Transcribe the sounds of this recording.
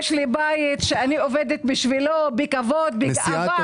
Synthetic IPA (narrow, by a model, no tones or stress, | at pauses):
ʃlibajit̪ʃeanioved̪et̪biʃvilobikavod̪̚bi